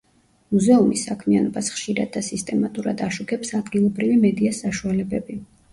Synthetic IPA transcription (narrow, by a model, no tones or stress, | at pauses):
muzɛumisːakʰmianɔbasχʃiɾa̰d̪̚ːasist̪ʼɛmat̪ʼuɾa̰d̪aʃukʰɛpsad̪ɡilˠɔbɾivimɛd̪iasaʃualɛbɛbi